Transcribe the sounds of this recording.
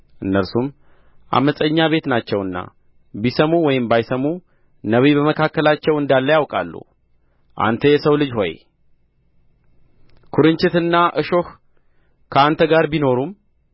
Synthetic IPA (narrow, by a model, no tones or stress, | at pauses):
ʔɨnːəɾsum | ʔa̰məsʼəɲːaβe̞t̪nat͡ʃːɛwɨnːa̰ | bisəmuwɔjɪmbajsəmːu | nəβibəməkʰakːəlat͡ʃːɛwɨnd̪alːəjawkʼa̰lːṵ | ʔa̰nt̪ʰəjɛsəwlɨd͡ʒho̞̰j | kʰuɾɨnt͡ʃɪt̪ɨnːaʔɨʃo̞h | kʰəant̪ʰəɡaɾbino̞ɾum